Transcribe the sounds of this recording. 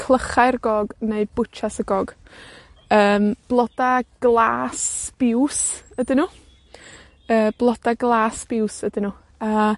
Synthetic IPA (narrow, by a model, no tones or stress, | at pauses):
kʰlˠəχaɨrɡɔɡneɨbʊt͡ʃʰasəɡɔɡ̥ | əːmb̥lˠɔdaɡ̥lˠaːsb̥ɪwsədɪnuː | əːb̥lˠɔd̥aɡlˠaːsb̥ɪwsədɪnuː | a